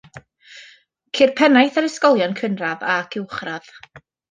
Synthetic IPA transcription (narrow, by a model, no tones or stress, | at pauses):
kʰɪrpʰɛnajθəɾəskɔlˠjɔnkʰənravakʰɪwχrað